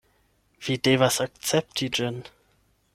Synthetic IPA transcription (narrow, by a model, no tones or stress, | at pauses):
v̥idevasak̚t͡sɛp̚tid͡ʒɪn